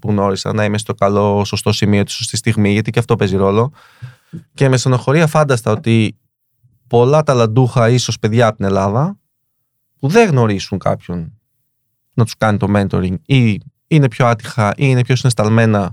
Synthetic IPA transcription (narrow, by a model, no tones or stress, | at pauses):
puɣno̞ɾisɐ̰nːɐimest̪o̞kɐlo̞so̞st̪o̞simio̞t̪i̥so̞st̪ist̪iɣmiʝɐt̪iceɐft̪o̞pe̞ziɾo̞lo̞ | ce̞me̞sɐno̞xo̞ɾiɐfɐnd̪ɐst̪ɐo̞t̪i | po̞lɐt̪ɐlɐnd̪uxɐiso̞spe̞ðʝɐːpot̪ine̞lɐðɐ | puðe̞ɣno̞ɾisuŋkɐ̰pço̞n | nɐt̪u̥skɐnit̪o̞ment̪o̞ɾiŋɡi | ine̞pço̞ɐt̪ixɐʔiinepço̞sinest̪ɐlme̞nɐ